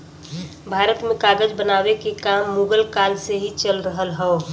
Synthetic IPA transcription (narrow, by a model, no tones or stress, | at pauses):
bʱaːɾət̪mẽkaːɡəd͡ʒbənaːʋekekaːmːuːɡəlkaːlseɦit͡ʃəlɾəɦəlɦɛo